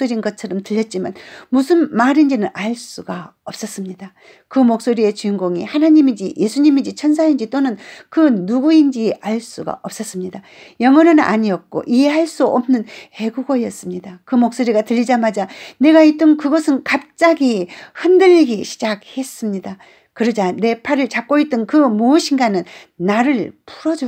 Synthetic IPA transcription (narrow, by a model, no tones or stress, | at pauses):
soɾinɡʌt̚t͡ɕʰʌɾʌmtɯʎːʌt̚t͡ɕ͈ima̰nmusʰɯnmaɾind͡ʑinɯnʔaɭs͈uɡaʌp̚s͈ʌs͈ɯmɲida | kɯmok̚s͈oɾie̞t͡ɕuiŋɡoŋḭhanaɲimid͡ʑije̞sʰuɲimind͡ʑit͡ɕʰʌnsʰaind͡ʑit͈onɯnkɯnuɡuind͡ʑiaɭs͈uɡa̰ʔʌp̚s͈ʌs͈ɯmɲida | jʌŋwʌnɯna̰ɲiʌk̚k͈o̰ʔiɦe̞haɭs͈uʌ̰mnɯnhe̞ɡuɡʌjʌs͈ɯmɲidakɯmok̚s͈oɾiɡatɯʎːid͡ʑamad͡ʑane̞ɡait͈ʌnkɯɡʌsʰɯnkap̚t͡ɕ͈aɡihɯndɯʎːiɡiɕʰi̥d͡ʑak̚he̞s͈ɯmɲida | kɯɾʌd͡ʑane̞pʰaɾɯɭt͡ɕak̚k͈oit͈̚ɯnkɯmoɕʰinɡanɯn | naɾɯɭpʰuɾʌd͡ʑo